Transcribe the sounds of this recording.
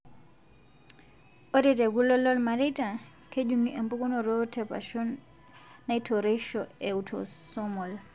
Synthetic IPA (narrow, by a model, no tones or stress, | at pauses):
ʔɔdɛdɛɡulːɔlːɔlmaɾɛta | ked͡ʒuŋiɛmbuɡunɔɾɔtɛpa̰ʃɔnː | ajtʰɔɾɛʃɔɛwtʰɔ̰sɔmɔl